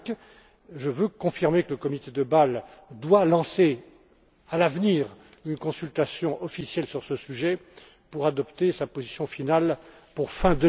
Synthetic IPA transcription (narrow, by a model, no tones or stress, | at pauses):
ʒəvøkɔ̃fiʁmekələkɔmit̪ed̪əbald̪walɑ̃se | alavniːʁynkɔ̃sylt̪asjɔ̃ʔɔfisjɛlsyʁsəsyʒɛ | puʁad̪ɔpt̪esapozisjɔ̃final | puʁfɛ̃d̪ə